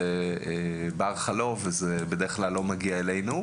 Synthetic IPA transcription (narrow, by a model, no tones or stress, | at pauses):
eebaʁχalovezebed̪e̞eχklalːo̞maɡiaele̞jnu